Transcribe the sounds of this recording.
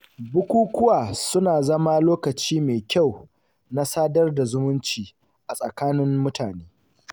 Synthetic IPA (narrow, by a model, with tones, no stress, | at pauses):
bʊ˦kʷuː˦kʷʊ˦waː˨sʊ˦naː˨zɐ˦ma˦loː˦kɐ˨t͡ʃiː˦meː˨kʲa˦˨w | na˦saː˦dɐ˦rda˨zʊ˦mʊ˦nt͡ʃiː˨ | ʔa˨sʼɐ̰˨kaː˦nɪ˦mːʊ˦taː˨neː˦